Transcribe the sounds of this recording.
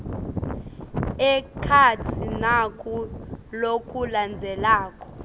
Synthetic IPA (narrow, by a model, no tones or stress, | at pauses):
ɛkʰatʰinakʰʼulokʰʼuland͡zʱɛlaːkʰʼɔ̥